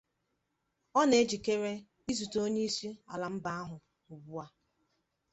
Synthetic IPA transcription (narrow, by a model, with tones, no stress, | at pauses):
ɔ˦ne˨˦d͡ʒi˨ke˦ɾe˦ | i˦zu˨to˦ɲe˦i˦si˦a̰˨la˨m̩˦ba˦a˦ɦʊ˨ | u˨bu˦a˦